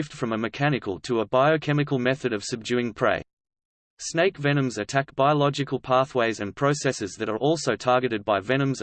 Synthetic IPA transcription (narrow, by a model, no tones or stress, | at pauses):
fd̥fɹʌ̃məmɨkʰæñɨkʰəlˠtʰəəbaɪəkʰɛmɨkəl̩ˠmɛθɨɾʌv̥sɨb̚d͡ʒʉɪ̃ŋpʰɹ̥ḛɪ | sneɪkvɛñɨ̃mzɨtʰækb̥aɪəlɑd͡ʒɨkʰəl̩ˠpʰɑˑθweɪzɨ̃npʰɹ̥əʊsɛsɨzðɨɾə˞ʔɔlˠsoʊtʰɑɹɡɨɾɨd̚baɪvɛñə̃mz